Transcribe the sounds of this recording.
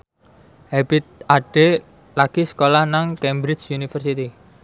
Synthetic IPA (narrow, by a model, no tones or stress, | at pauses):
hebit̪̚aɖ̥e | laɡ̥isə̥kolahnaŋkɛmbɾɪt͡ʃunifərsit̪i